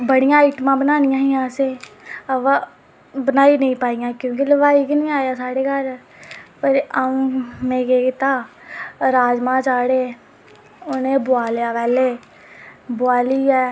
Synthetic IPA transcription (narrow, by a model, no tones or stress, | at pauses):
bəɽɪjãːɪʈmãːbənaːnɪjãːɦĩːãːseːəʋa | bənaːiːnəĩːpaːijãːkjõːk̬iləʋaːiːkinĩːaːjaːsaːɽeːkəɾ | pəɾaũːmẽːkeːkɪt̪aː | ɾaːd͡ʒmãːt͡ʃaːɽeː | ʊnẽːbʊaːljaːʋɛːleː | bʊaːliːɛː